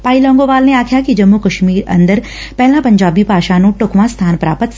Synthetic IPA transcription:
paːilɔ̃ːŋɡoʋaːlneaːkʰjakid͡ʒɐmːukɐʃmiːɾɐ̰̃nd̪əɾ | pɛɦlãpɐ̃ɲd͡ʒaːbipaːʃaːnũʈokʋãst̪ʰaːnpɾa̰ːpət̪

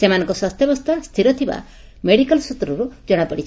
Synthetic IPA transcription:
semanɔ̃ŋkɔswast̪ʰjɔbɔst̪ʰast̪ʰiɾɔt̪ʰiba̰ | meɽikɔlsut̪ɾɔɾud͡ʒɔɽ̃apɔɽit͡ʃʰ

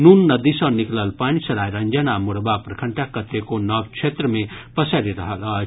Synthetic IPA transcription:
nunːʌd̪isʌ̃niklʌlpanisɐɾajɾɐnd͡ʒanamuɽbaprɐkʰəɳʈakʌt̪ːekonʌb̚t͡ʃʰet̪rəmepʌsaɾiɾʌɦʌlʌ

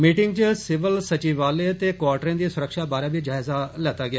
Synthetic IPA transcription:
miːʈɪ̃ŋɡ̚t͡ʃəsɪʋəlsət͡ʃiːʋaːlet̪eːkʋaːɾʈɾẽːd̪iːsʊɾəkʃaːbaːɾaːbiːd͡ʒaːɪzalɛːt̪aːɡɪjaː

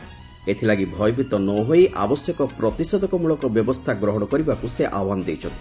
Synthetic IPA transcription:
et̪ʰilaɡibʱɔjbʱit̪ɔnɔɦojʔa̰bɔsjɔkɔpɾɔt̪isɔd̪ɔkɔmuɭɔkɔbjɔbɔst̪ʰaɡɾɔɦɔɽ̃ɔkɔɾibakuseʔawanɔd̪ejt͡ʃʰɔnt̪ʰi

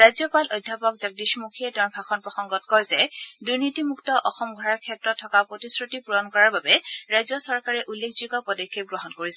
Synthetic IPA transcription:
ɹajzɔpalʔɔjdʱːapɔkzaɡ̚diʃmukʰiɛtaɹbʱaxɔnpɹɔxɔŋɡɔtkɔjzɛduɹnitimuktɔʔɔxɔmɡʱɔɹaɹkʰɛtɹɔtʰːɔkapɹotisɹutipuɹɔnkɔɹaɹbabɛɹajzɔsɔɹkaɹɛʔulːekʰzukɔpɔdekʰːeɡɹɔɦɔnkoɹisɛ

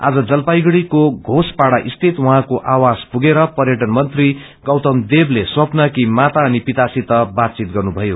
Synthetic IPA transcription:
a̰d͡zʌd͡zʌlpajɡɽikoɡʱospaɽaʔist̪ʰit̪wʌɦãkoʔawad͡zpuɡeɾʌpʌrjʌʈʌnmʌnt̪ri | ɡʌwt̪ʌmd̪ebleswʌpnʌkimat̪aʌnipit̪asit̪ʌbat̪̚t͡sit̪̚ɡʌrnubʱʌjo

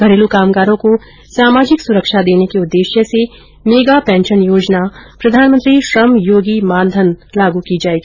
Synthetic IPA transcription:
ɡʱɐɾeːlukaːmkaːɾõko | saːmaːd͡ʒɪksʊɾəkʃad̪eːnekeʊd̪ːeːʃjəse | meːɡapɛ̃ːnʃənjoːd͡ʒnapɾɐd̪ʱaːnmə̃nt̪ɾiʃɾəmjoːɡimãːnd̪ʱənlaːɡukid͡ʒaːeːɡiː

